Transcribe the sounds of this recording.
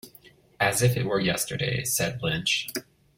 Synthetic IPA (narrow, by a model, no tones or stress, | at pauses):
ɨzɨfɨt̚wə˞jɛstə˞dḛɪsɛd̚blɪ̃nt͡ʃ